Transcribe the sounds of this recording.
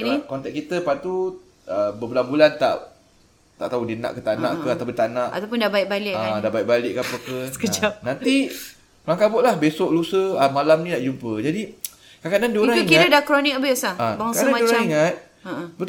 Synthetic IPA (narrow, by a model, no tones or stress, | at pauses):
nikɔnt̪ɛk̚kit̪əpant̪u | əbəbulanbulant̪a̰ʔ | t̪aʔt̪audina̰ʔkət̪anã̰ʔkəat̪awpʊnt̪anãʔa̰t̪awpʊndabaɪʔ̚balɪʔaadaʔbaiʔ̚balɪʔkapokəsə̥kəd͡ʒap̚nant̪i | mlaŋkapoʔlahbesoʔlusəəmalamnĩnaʔd͡ʒumpəd͡ʒadi | kakadandioɾaŋuiŋkiɾədakɾonɪk̚bisaabaŋakaəamaioɾaaiŋət̪̚ | əbət̪